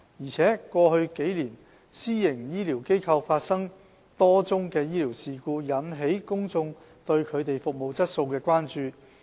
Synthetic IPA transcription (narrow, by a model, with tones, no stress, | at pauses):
jiː˨˩t͡sʰɛː˨˥kʷɔː˧hɵ˧ɥke˨˥jliː˨˩n | siː˥jɪ˨˩ŋjiː˥liː˨˩wke˥jkʰɐ˧wfaː˧t̚sɐ˥ŋ | t̪ɔː˥t͡sʊ˥ŋkɛː˧jiː˥liː˨˩wsiː˨kuː˧jɐ˨˥nɦe˨˥jkʊ˥ŋt͡sʊ˧ŋ | t̪ɵ˧ɥkʰɵ˨˧ɥt̪e˨jfʊ˨k̚mo˨wt͡sɐ˥t̚so˧wkɛː˧kʷaː˥nt͡ʃyː˨˧